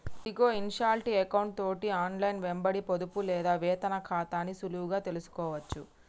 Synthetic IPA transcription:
d̪iɡoːinʃaːɾʈiekɐwɳʈ̚t̪o̞ːʈiaːnlɐjnʋembɐɽipod̪upulɛːd̪aːʋɛːt̪ɐnɐkʰaːt̪aːnisuluuɡaːt̪e̞lusu̥kɔːʋɐt͡ʃːu

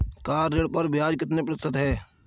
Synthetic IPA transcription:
kaːɾːeɽpəɾbjaːd͡ʒkɪt̪nepɾəst̪ət̪ɦɛː

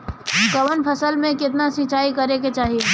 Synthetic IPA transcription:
kəʋənpʰəsəlmẽkɪt̪̬nasɪ̃t͡ʃaːikɐɾeket͡ʃaːɦie

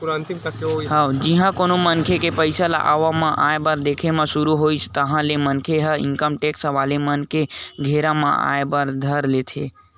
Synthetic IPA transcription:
puɾnt̪imt̪əkːeoɦaod͡ʒiɦãkonomənkʰekepəɪsala̰ʔa̰ʋamãʔaebəɾd̪ekʰemãsuɾuɦojt͡ʃʰt̪əɦãlemənkʰeɦəḭŋkəmʈeksəʋalemənkeɡʱeɾamã̰a̰ebəɾd̪ʱəɾlet̪ʰe

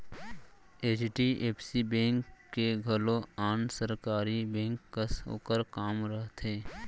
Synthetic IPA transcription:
eːt͡ʃʈieːpʰsibɛ̃ːŋkːeɡʱəloaːnsəɾkaːɾibɛ̃ːŋkːəso̰ːkəɾkaːmɾəɦt̪ɦẽː

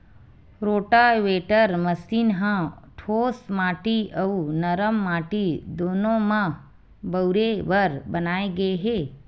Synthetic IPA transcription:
ɾoːʈaʋeːʈəɾmɐsiːnɦãʈʰoːsmaːʈiɐunɐɾəmːaːʈid̪oːnõmɐ̃ | bɐwɾeʋɐɾbɐnaːeɡɐeɦɛː

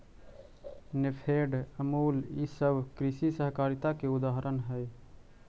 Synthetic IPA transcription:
nɪpʰeːɖəmuːlisəbʱkɾɪʃisəɦkaːɾɪt̪akeʊd̪aːɦɾʔənɦɛj

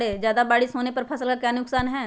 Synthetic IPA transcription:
ɽeːd͡ʒjaːd̪abaːɽisɦoːnepɐɾpʰəsəlkakaːnʊksaːnɦɛː

